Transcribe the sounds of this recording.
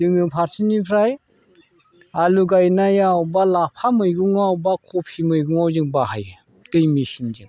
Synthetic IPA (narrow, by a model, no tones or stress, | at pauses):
d͡ʒɯŋɯpʰaɾsʰinipʰɾaj | aluɡajnajawbalapʰamɯjɡuŋawbakʰɔpʰimɯjɡuŋawzɯŋbaɦaj | tɯjmiʃind͡ʒɯŋ